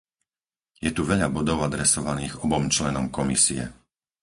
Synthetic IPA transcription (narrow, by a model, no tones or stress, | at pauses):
jɛt̪uʋɛʎabɔd̪ɔʊad̪ɾɛsɔʋaniːɣɔbɔmt͡ʃlɛnɔmkɔmisiɛ̰